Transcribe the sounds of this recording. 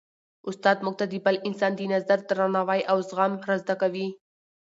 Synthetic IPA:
ʊst̪ɑd̪muɡ̚t̪ad̪ibalʔɪnsɑnd̪inazaɾd̪ɾanawajʔawzɣamɾazd̪akawi

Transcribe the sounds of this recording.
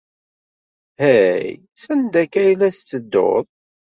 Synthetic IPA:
hæj | sænd̪ækːæjlæst͡sːəd̪ːo̰ðˤ

